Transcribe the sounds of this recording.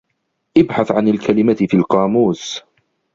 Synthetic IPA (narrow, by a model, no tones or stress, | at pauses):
ʔɪbħaθʕanalkʰalɪmafiːlqɑːmuːs